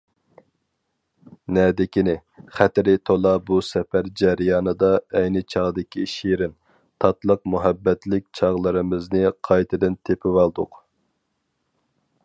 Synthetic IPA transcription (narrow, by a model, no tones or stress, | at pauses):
nɛd̪ɪkʲinɪχæt̪ɾɪt̪ʰolˠɑbusɛpæɾd͡ʒɛɾijɑːnɨd̪ɑɛjnɪt͡ʃʰɑʁd̪ɪkʲiʃiɾɪn | t̪ʰɑt̪lˠəq̚muɦɛbːɛt̪lɪk̚ʲt͡ʃʰɑʁlˠɨɾɨmɪznɪqʰɑjt̪ʰɨd̪ɪnt̪ʰepʰɪwɑlˠd̪ʊq